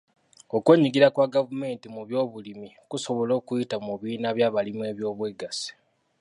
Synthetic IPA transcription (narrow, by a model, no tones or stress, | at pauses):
o̞kwe̞ɲiɡiɾakwaɡavume̞ːntimuβjo̞ːβulimi | kuso̞βo̞lo̞ːkujitamuβiːnaβjaːβalimwe̞ːβjo̞ːβweɡasi̥